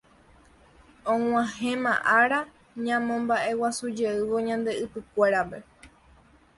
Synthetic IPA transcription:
õŋ̃ʷãɦẽmã̰ʔaɾa | ɲãmõmbaʔe̞wasud͡ʒe̞ɨʋo̞ɲãnd̪e̞ɨpɨkʷe̞ɾape̞

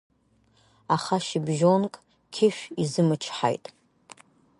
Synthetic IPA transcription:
aχaʃibʒo̞nkʼ | kʲʰɪʃᶣizɨmɨt͡ʃʰħa̰jtʼ

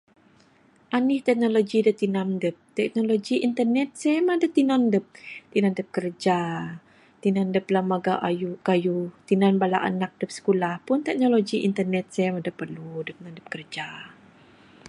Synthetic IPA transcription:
ʔanɪht̪ɛk̚noloɡidət̪inandəp̚t̪ɛk̚noloɡiʔint̪ərnɛt̪̚sɛmadət̪inandəp̚t̪inandəp̚kərd͡ʒa | t̪inandəplamːaɡaʔajukajut̪inanbalaʔa̰nak̚dəp̚sə̥kulahpʊnt̪ɛk̚noloɡiʔint̪ərnɛt̪̚sɛmadəpərludək̚nandəp̚kərd͡ʒa

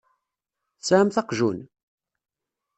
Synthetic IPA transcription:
sæmθɑqʒṵn

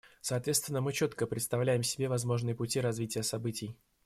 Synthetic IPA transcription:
sɐːt̪vʲest̪vʲɪnːəmɨt͡ɕot̪kəpɾʲɪt̪st̪ɐvlʲæjɪmsʲɪbʲe̞vɐzmo̞ʐnɨjəpʊtʲiɾɐzvʲitʲɪjəsɐbɨtʲɪj

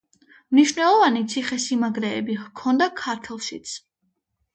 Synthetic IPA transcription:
mniʃvnɛlˠɔvanit̪sʰiχɛsimaɡɾɛːbikʰɔnd̪akʰaɾt̪ʰɛlˠʃit̪sʰ

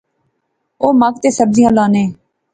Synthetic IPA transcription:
oːmaːk̚t̪eːsəb̚zɪjãːlaːneː

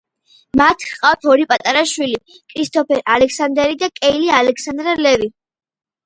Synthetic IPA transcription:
mat̪ʰqʼaft̪ʰɔɾipʼat̪ʼaɾaʃwili | kʰɾist̪ʰʼɔpʰɛɾalɛkʰsand̪ɛɾid̪akʼɛilialɛkʰsand̪ɾalɛvi

